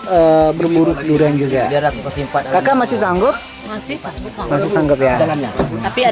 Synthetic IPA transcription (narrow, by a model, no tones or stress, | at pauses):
əbərbuɾʊkəduɾuand͡ʒuɡaɾakkəsimpakakamasɪhsaŋɡʊp̚ | msmasɪhsaŋɡʊp̚jaalaaapia